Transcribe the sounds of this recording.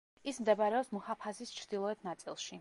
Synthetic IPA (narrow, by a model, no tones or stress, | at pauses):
ismd̪ɛbaɾɛɔpsmɔhapʰasist͡ʃʰɾd̪ilˠɔɛt̪ʰnat̪sʼilˠʃi